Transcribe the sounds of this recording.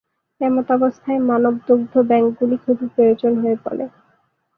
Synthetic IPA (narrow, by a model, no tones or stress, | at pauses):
ɛmot̪abost̪ʰaemanob̚d̪oɡ̚d̪ʱːobɛŋkɡulikʰob̪ʱipɾojot͡ɕonɦoepɔ̰lḛ